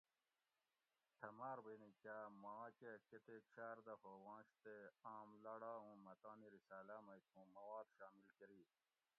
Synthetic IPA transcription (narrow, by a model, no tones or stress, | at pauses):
t̪ʰɐmaːɾbeːnikaːmãːt͡ɕeket̪et͡ɕʰaːɾd̪ɐhoːwãːɕt̪eaːmlɐɽaːũːmɐt̪aːniɾisaːlamɐjt̪ʰũːmɐwaːd̪ɕaːmilkeɾiː